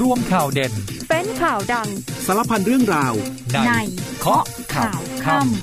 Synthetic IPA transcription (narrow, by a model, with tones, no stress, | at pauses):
ɾu˧əmkʰaː˨˩wde˧npe˧˥nkʰaː˨˩wda˧ŋsa˧˦la˦˧˥pʰa˧nɾɯ˥˩əŋɾaː˧wna˧na˧jkʰɔ˦˥ʔkʰaː˩˨˩wkʰa˧˩m